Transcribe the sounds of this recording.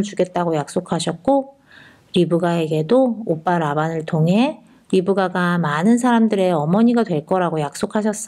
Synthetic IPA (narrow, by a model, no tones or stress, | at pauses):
t͡ɕuɡe̞t̚t͈aɡojak̚s͈okʰaɕʰʌt̚k͈o | ɾibuɡae̞ɡe̞doop͈aɾabanɯɭtʰoŋɦe̞ | ɾibuɡaɡamanɯns̬ʰaɾamdɯɾe̞ʌmʌɲiɡadwe̞ɭk͈ʌɾaɡojak̚s͈okʰaɕ̬ʰʌs͈ʌ